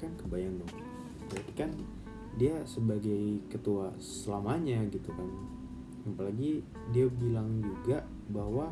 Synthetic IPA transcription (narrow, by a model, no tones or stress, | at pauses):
kankəbajaŋt̪ʊh | pəɾat̪ikan | diasəbaɡajkət̪ua | səlamaɲaɡit̪ukan | apalaɡi | diabilaŋd͡ʒuɡa | bahwa